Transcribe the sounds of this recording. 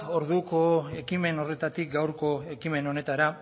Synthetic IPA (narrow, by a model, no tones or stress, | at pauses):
o̞ɾðuko̞e̞kime̞no̞re̞t̪at̪ik̚ɡawɾko̞e̞kime̞no̞ne̞t̪aɾa